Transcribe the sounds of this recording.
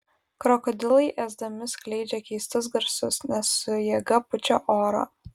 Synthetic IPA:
kɾɔkɔd̪ʲɪlˠɐɪʔæːzd̪ɐmʲɪsklʲɛɪd͡ʒʲɛkʲɛɪst̪ʊs̬ɡɐɾsʊsnʲɛsːʊjɛːɡɐpʊt͡ʃʲoːʔoːɾo̰ː

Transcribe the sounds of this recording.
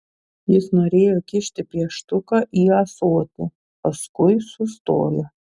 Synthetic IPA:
jɪsnoːɾʲeːjokʲɪʃʲt̪ʲɪpʲiɛʃt̪ʊkɐʔiːɐsoːt̪ʲɪ | pɐskʊɪsʊst̪o̰ːjo

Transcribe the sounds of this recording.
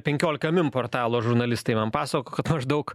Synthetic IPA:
pʲɛŋʲkʲoːlʲɪkɐmʲɪmpoːrt̪ɑːlˠoːʒʊɾnɐlʲɪst̪ɐɪmɐnpɑːsɐkoːkɐt̪mɐʒd̪ɐʊk

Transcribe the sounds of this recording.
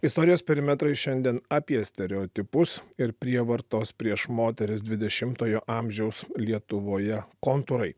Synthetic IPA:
ɪst̪oːɾʲɪjoːspʲɛɾʲɪmʲɛt̪ɾɐɪʃʲɛnʲd̪ʲiɛnɑːpʲiɛsʲt̪ʲɛɾʲɛoːt̪ʲɪpʊsɪɾpʲɾʲiɛʋɐɾt̪oːspʲɾʲiɛʃmoːt̪ʲɛɾʲɪs̬d̪ʲʋʲɪd̪ʲɛʃʲɪmt̪oːjoːʔɑːmʲʒʲɛʊslʲiɛt̪ʊʋoːjɛkoːnt̪ʊɾɐɪ

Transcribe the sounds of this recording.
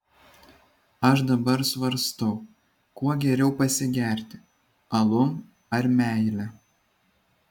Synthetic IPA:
ɐʃd̪ɐbɐɾsʋɐɾst̪ɐʊ | kuɔɡʲɛɾʲɛʊpɐsʲɪɡʲæˑɾʲt̪ʲɪ | ɐlˠʊm | ɐɾmʲæˑɪlʲɛ

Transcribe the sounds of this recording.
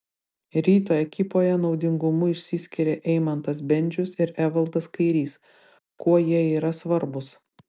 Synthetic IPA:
ɾʲiːt̪oːɛkʲɪpoːjɛnɒʊd̪ʲɪŋɡʊmʊɪʃʲsʲisʲkʲɪɾʲeːʔɛɪmɐnt̪ɐsbʲɛnʲd͡ʒʲʊsɪɾæʋɐlˠd̪ɐskɐɪɾʲiːs | kuɔjiɛiːɾɐsʋɐɾbʊs

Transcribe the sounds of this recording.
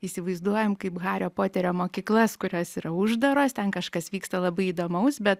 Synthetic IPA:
iːsʲɪʋɐɪzd̪uɔjɛmkɐɪpɣɑːɾʲoːpoːt̪ʲɛɾʲoːmoːkʲiːklˠɐskʊɾʲoːsiɾɐʊʒd̪ɐɾoːst̪ʲɛnkɐʃkɐsʋʲiːkst̪ɐlˠɐbɐɪiːd̪oːmɐʊsbʲɛt̪

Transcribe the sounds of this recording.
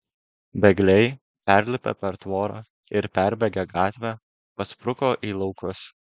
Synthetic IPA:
bʲɛɡlʲɛɪ | pʲæɾʲlʲɪpʲɛ̰pʲɛɾt̪ʋoːɾɑ̰ː | ɪɾpʲæɾʲbʲɛɡʲɛɡɑːt̪ʲʋʲæː | pɐspɾʊkoːʔiːlˠɒʊkʊs

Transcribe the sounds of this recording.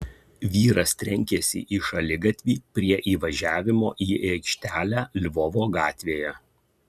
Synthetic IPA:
ʋʲiːɾɐst̪ʲɾʲɛŋʲkʲesʲɪ̰ʔiʃɐlʲɪɡɐt̪ʲʋʲiːpʲɾʲiɛʔiːʋɐʒʲæːʋʲɪmo̰ːʔiːeːkʃʲt̪ʲæːlʲæːlʲʋɔʋoːɡɑːt̪ʲʋʲeːjɛ

